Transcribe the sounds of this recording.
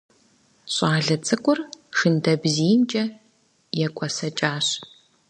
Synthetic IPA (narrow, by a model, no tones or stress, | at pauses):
ɕʼaːɮɐt͡sʼɨkʷʼʊrʂɨndɐbziːnt͡ʃʼɐ | jɛkʷʼɔsɐt͡ʃʼaːɕ